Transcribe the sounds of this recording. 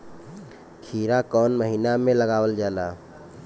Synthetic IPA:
kʰiːɾakɔːnməɦiːnamẽləɡaːwəld͡ʒaːlaː

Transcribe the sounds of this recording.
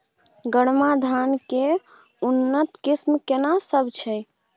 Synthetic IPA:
ɡəɽmad̪ʱanke | unːət̪kismkenasəbʱt͡ʃʰɛ

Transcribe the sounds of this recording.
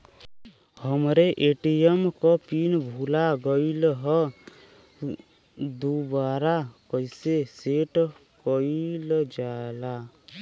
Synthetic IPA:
həmɾeʔeʈijemkɔpinbʱulaɡɔjlɦɔ | d̪ubaɾakɔjseseʈkɔild͡ʒaela

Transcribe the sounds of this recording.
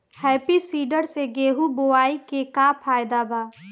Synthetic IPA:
hɛːpisiːɖəɾseɡeːɦuboaːikekaːpʰaːjd̪abaː

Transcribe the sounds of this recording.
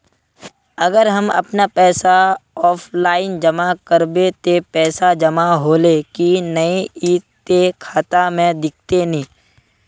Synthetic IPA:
ɐɡəɾɦɐmɐ̰pnapɛːsaɔːpʰlaːɪnd͡ʒɐmakəɾbet̪epɛːsad͡ʒɐmaɦoːlekinɐeiːt̪kekʰaːt̪amẽd̪ɪk̚ʰt̪enĩː

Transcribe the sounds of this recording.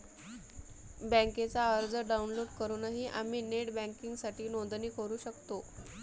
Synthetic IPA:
bãŋket͡saəɾd͡zəɖaunloɽkəɾunaɦiːʔam̤iːneʈbæ̃ŋkiŋɡsaʈʰiːnond̪niːkəɾuːɕəkt̪o

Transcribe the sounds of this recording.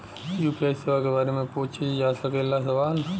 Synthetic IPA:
juːpiaːiseːʋakebaːɾemẽpoːt͡ʃʰid͡ʒaːsəkelːasɐʋaːn

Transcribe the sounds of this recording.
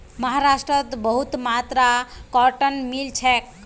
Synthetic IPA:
məɦaɾasʈɾət̪bəɦut̪mat̪ɾakɔʈənmilt͡ʃʰɛk

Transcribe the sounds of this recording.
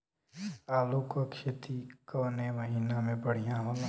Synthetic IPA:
aːlukəkʃet̪ikəːnemɐɦiːnamẽpɐɽ̤ijãɦo

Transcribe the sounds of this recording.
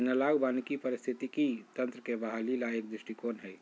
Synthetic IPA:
nəlaːɡbaːnikipəɾɪst̪ʰit̪ikit̪ə̃nt̪ɾəkebaɦalilaeːkd̪ɾɪʃʈikoːnɦɛː

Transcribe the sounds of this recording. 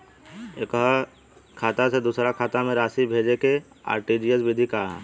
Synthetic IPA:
eːkɦ | kʰaːt̪ased̪uːsɾakʰaːt̪amẽɾaːsibʱeːd͡ʒeke | a̰ːɾʈiːd͡ʒijəsbɪd̪ʱikaɦɛ̰ː

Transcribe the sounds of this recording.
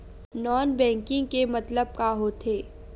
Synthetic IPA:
nɔːnbɛ̃ːŋkɪ̃ŋɡkemɐt̪ləb̚kaɦot̪ʰeː

